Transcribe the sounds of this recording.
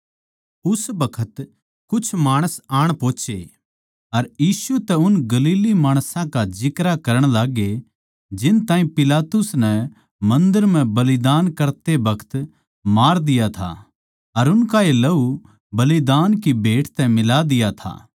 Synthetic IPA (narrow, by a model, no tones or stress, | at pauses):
ʊsbɐkʰət̪ | kʊt͡ʃʰmaːɽ̃əsaːɽ̃põːt͡ʃḛ | ɐɾjiːsut̪ɛʊnɡɐliːlimaːɽ̃sãkad͡ʒɪkɾakɐɾəɽ̃laːɡe | d͡ʒɪnt̪ãːĩpɪlaːt̪ʊsnɛ | mɐ̃nd̪əɾm̤ɛ̃bɐlɪd̪aːnkɐɾt̪ebɐkʰə̥t̪ | maːɾd̪ɪjat̪ʰa̰ | ɐɾʊnkaelɐu | bɐlid̪aːnkibeːʈʰt̪ɛmɪlad̪ɪjat̪ʰa̰ː